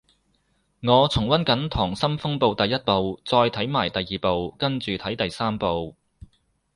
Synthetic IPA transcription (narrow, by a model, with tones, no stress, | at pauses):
ŋɔː˨˧t͡sʰʊ˨˩ŋwɐ˥nkɐ˨˥nt̪ʰɔː˨˩ŋsɐ˥mfʊ˥ŋpo˨˧wt̪ɐ˨jːɐ˥t̚po˨˧wt͡sɔː˧jt̪ʰɐ˨˥jmaː˨˩jt̪ɐ˨jːiː˨po˨˧wkɐ˥nt͡ʃyː˨t̪ʰɐ˨˥jt̪ɐ˨jsaː˥mpo˨˧w